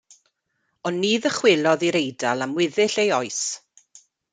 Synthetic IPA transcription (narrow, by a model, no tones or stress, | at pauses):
ɔnːiːðəχwɪlˠɔðiɾejdalˠamwɪðɪɬejɔɨs